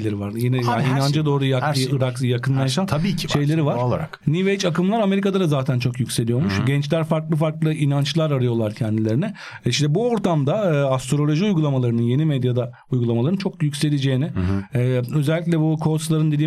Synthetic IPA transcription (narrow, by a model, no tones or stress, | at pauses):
ejlʲeɾivaɾjenɛjaːinand͡ʒad̪o̞ːɾujakɯɾakjakʰɯnlˠaʃant̪ʰabiːcʰʃe̞jlʲe̞ɾivaɾɾˠaɾaknivejt͡ʃakɯmlˠaɾame̞ɾikad̪ad̪azaːt̪ʰænt͡ʃʰo̞kjycʲse̞lijo̞ɾmuʃɟɛnt͡ʃlʲæɾfaɾklˠɯfaɾklˠɯinant͡ʃlˠaɾaɾɯjo̞lˠaɾcʰɛnd̪ilʲe̞ɾinɛ | iʃt̪ɛbuo̞ɾt̪amd̪aɯːast̪ɾo̞lʲo̞ʒiujɡulˠamalˠaɾɯnɯnje̞nimɛd̪jad̪a | ujɡulˠamalˠaɾɯnt͡ʃʰo̞kjycʲse̞lʲed͡ʒe̞jnɪɛø̞zɛlʲːic̬ʲlʲɛbukʰo̞slˠaɾɯnd̪ed̪iː